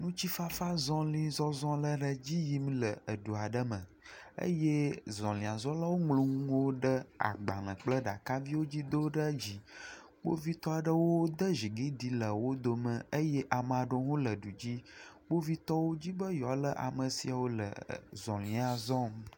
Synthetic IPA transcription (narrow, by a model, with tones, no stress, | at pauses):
nũ˦t͡ɕi˦fa˦fa˦zɔ̃˦lĩ˦zɔ˦zɔ̃˦lə˦ɖə˦d͡ʑi˦ji˦m̃˦lə˨ə˨ɖu˨a˨ɖə˦mə̃˨ | ə̰˦je˦zɔ̃˨lĩ˨a˨zɔ̃˦la˦wo˦ŋlũ˦ŋũ˦wo˦ɖə˦a̰˨ɡ͡ba˨lə̃˨k͡plə˦ɖa˨ka˦vi˦wo˦d͡ʑi˦d̪o˦ɖə˦d͡ʑi˦ | ɡ͡bo̰˦vi˦t̪ɔ˦a˨ɖə˦wo˦d̪ə˦ʒi˨ɡi˦ɖi˦lə˨wo˦d̪o˨mə̃˨ə˦jɛ˦ʔa˨mə˨a˨ɖo˦ŋũ˦lə˨ɖu˨d͡ʑi˦ɡ͡bo˦vi˦t̪ɔ˦wo˦d͡ʑi˦bə˦jɔ˨lə˦ʔa̰˨mə˨si˨a˨wo˦lə̰˨zɔ̃˨lĩ˨a˨zɔ̃˦m